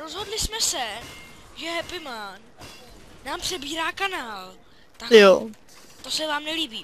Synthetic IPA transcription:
ɾozɦo̞dlɪsmɛsɛ | ʒɛɦɛpɪman | naːmpr̥ɛbiːɾaːkanaːl | t̪akjo | t̪osɛvaːmnɛliːbiː

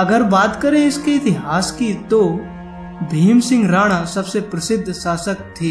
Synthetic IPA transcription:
ɐɡəɾbaːt̪kɐɾẽɪsket̪iɦaːskit̪o | bʱiːmsɪ̃ŋɡɾaːɽ̃asɐbsepɾɐsɪd̪ʱːsaːsək̚t̪ʰːiː

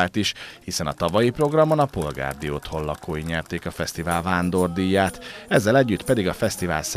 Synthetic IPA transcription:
lt̪iʃhisɛnɒt̪ɒvɒjipro̞ɡrɒmo̞nɒpo̞lɡa̰ːrd̪ioːt̪ho̞lːɒkoːjiɲɛrt̪eːkɒfɛst̪ivaːlvaːnd̪o̞rd̪ijːaːt̪ɛzːɛlɛɟːyt̪pɛd̪iɡɒfɛst̪ivaːls

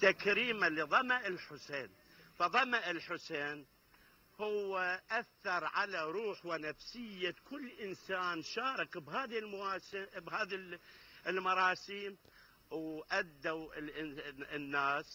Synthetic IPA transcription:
t̪ːakɾiːmaliðˤɑmaʔɪlħʊseːn | fɑðˤɑmaʔɪlħʊseːn | hʊwːaʔaθːɑɾˤʕalaɾˤuːħwɪnafsɪjːakʊlːʔɪnsaːnʃaːɾˤɪkbhaːðilmbhaːðiɪlmɑɾˤɑːsiːm | wʔad̪ːaw | nːaːs

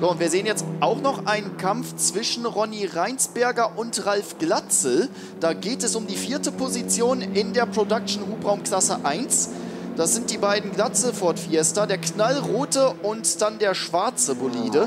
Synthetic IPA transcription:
z̥oːʊntv̥iːɐzeːənjɛt͡stʔaʊxnɔχʔaɪnənkʰamft͡sv̥ɪʃn̩ʁɔniʁaɪnsb̥ɛɐɡɐʔʊntʁalfɡ̥lat͡sl̩ | d̥aːɡeːtɛsʊmdiːfiːɐtəpʰozit͡sjoːnɪndeːɐpʁ̥odak̚ʃn̩huːpʁaʊmkl̥asəʔaɪnsd̥asz̥ɪnt̚d̥iːbaɪdn̩ɡlat͡sl̩fɔɐtfiɛstɐdeːɐknalʁoːtəʔʊntd̥andeːɐʃv̥aɐt͡səboliːdə

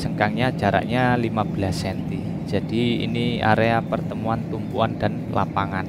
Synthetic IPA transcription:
d͡ʒəŋkaŋɲad͡ʒa̤ɾa̰ʔɲalimab̥əlasːɛnt̪i̥ | d͡ʒ̥ad̥iḭnia̰ɾeapərt̪əmuant̪umpuandan | la̰paŋan

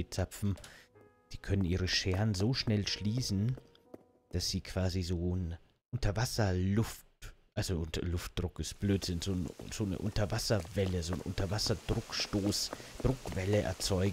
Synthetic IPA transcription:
it͡sapp͡fm̩ | d̥iːkʰœnənʔiːʁ̞əʃɛːɐnzoːʃnɛlʃliːsn̩ | d̥asz̥iːkʰv̥aːzizoːn | ʔʊntʰɐvasɐlʊftʔalzoʔʊntɐlʊft̚d̥ʁʊkɪstb̥løːtz̥ɪnzoːnz̥oːnə̰ʔʊ̰ntɐvasɐvɛləzoːnʔʊ̰ntʰɐvasɐdʁʊkʃtoːsd̥ʁʊkv̥ɛləʔɛ̰ɐt͡sɔʏɡ

